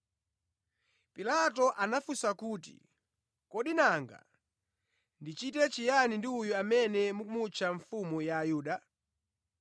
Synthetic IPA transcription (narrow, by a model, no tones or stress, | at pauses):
pilatɔʔanafusakuːtḭ | kɔɗinaŋɡa̰ | ndit͡ʃitɛt͡ʃijanindiujuamɛnɛmukumut͡ʃʰaɱfumujaːjuːɗa